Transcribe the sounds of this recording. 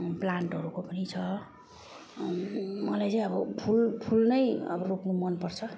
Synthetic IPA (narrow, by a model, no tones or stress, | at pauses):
plaɳʈɦʌɾukopʌnit͡sʰʌ | mʌlajt͡sʌj̃ʌbʌpʰulpʰulnʌjʌ̰bʌrupnomʌnpʌrt͡sʰʌ